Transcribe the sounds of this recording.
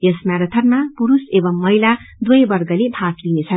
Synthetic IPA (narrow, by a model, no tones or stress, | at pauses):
jʌsmjaɾʌt̪ʰʌrmapuɾusebʌmːʌilad̪wʌjbʌrɡʌlebʱatlinet͡sʰʌn